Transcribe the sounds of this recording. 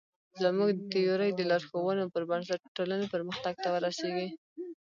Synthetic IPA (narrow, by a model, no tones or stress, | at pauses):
zəmuɡ̪ət̪ejoɾəjd̪əlɑɾxowənopəɾbaɳs̬aʈːolanopəɾməxt̪aɡ̚t̪awəɾaseɡi